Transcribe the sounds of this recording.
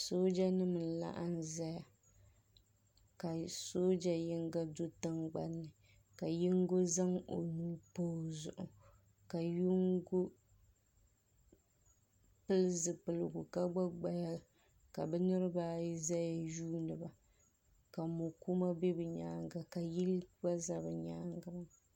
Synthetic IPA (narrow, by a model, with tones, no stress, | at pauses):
so˦d͡ʒa˦nɨ˦mɨ˨n̩˨la̰˦ʔa˦n˦za˦ja˨ | ka˨so˦d͡ʒa˨jɪ˦ŋɡa˦do˦tɨ˦ŋɡ͡ba˦nːɨ˨ | ka˨jɪ˦ŋɡo˦za˦ŋo̰˨nuː˦poː˦zʊ̰˨ʔʊ˨ | ka˨ju˦ŋɡo˦ | pɨ˦lɨ˦zɨ˨pɨ˨lɨ˨ɡʊ˨ka˦ɡ͡ba˦ɡ͡ba˨ja˦ | ka˨bɛ˦nɨ˦ɾɨ˦baː˦i˦za˦ja˨juː˦nɨ˨ba˨ | ka˨mo˨ku˦ma˦be˦bɨ˨ɲaː˦ŋɡa˨ka˨ji˦lba˦za˦bɨ˨ɲaː˦ŋɡa˨m˨